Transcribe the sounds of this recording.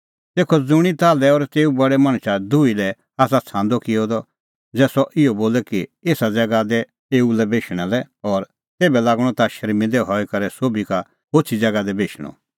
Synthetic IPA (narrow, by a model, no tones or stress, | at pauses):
t̪eːkʰɔd͡zʊɽ̃it̪aːlɛɔːɾt̪eːubɐɽɛmɐ̃ɽ̃ʃad̪ʊilɛ | aːs̬at͡sʰãːnd̪ɔkɪɔd̪ɔ | d͡zɛːsɔʔɪɔboːlɛkieːsad͡zɛɡad̪ɛ | eːulɛbʱeːʃɽ̃ɛlɛ | ɔːɾ | t̪eːbɛlaːɡɽ̃ɔ̃t̪aʃɐɾmĩd̪ɛɦɔːikɐɾɛsoːbika | oːt͡sʰid͡zɛɡad̪ɛbʱeːʃɽ̃ɔ̰̃